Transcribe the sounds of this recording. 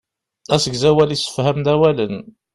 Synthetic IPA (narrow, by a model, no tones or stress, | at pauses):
æsəɡzæwælisə̥fhæmd̪æwælən